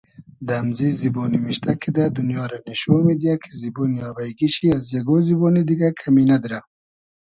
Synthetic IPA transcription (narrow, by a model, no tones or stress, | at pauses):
d̪amzizibɔːnimiʃt̪ʰakʰid̪ad̪ʊnjɑːɾanɪʃomed̪ijakʰe̥zibonjɑːbajɡiʃiazjaɡozibonid̪iɡakʰaminad̪iɾa